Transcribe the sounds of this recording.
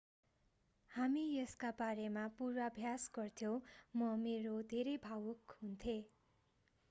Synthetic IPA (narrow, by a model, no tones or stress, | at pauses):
hamijʌskabaɾemapuɾwabʱjasɡʌrt̪ʰjõmʌmeɾod̪ʱeɾejbʱawukɦunt̪ʰe